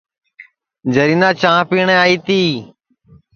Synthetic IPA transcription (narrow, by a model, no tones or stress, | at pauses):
d͡ʒəɾiːnãːt͡ʃãːpiːɳẽːaːiːt̪iː